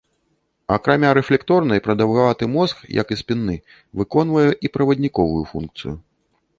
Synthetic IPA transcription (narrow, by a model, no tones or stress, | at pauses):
akɾamʲaɾɛflʲɛkt̪ɔɾnɐjpɾɐd̪ɐwɣavat̪ɨmɔskjɐ̰kispʲinːɨ | vɨkɔn̪vɐjɛʔipɾɐvɐd̪ʲnʲikɔvujufṵnkt̪sɨju